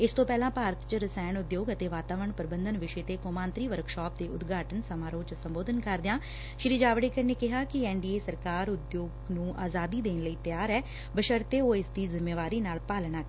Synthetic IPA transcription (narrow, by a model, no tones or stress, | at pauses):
ɪst̪õːpɛːlãːpaːɾət̪t͡ʃɾəsɛːnʊd̪joːɡət̪eːʋaːt̪aːʋəɾəɳpəɾbənd̪ənʋɪʃeːt̪eːkoːmãːnt̪ɾiːʋəɾkʃɔːp̚d̪eːʊd̪ɡʱaːʈənsəmaːɾoːt͡ʃsəmboːd̪ənkəɾd̪ɪjãː | ʃɾiːd͡ʒaːʋɽeːkəɾneːkɪɦaːkɪɛːɳɖiːeːsəɾkaːɾʊd̪joːɡnũːʔaːzaːd̪iːd̪eːnləiːt̪jaːɾɛː | bəʃəɾt̪eːoːɪsd̪iːzɪmːeːʋaːɾiːnaːlpaːlnaː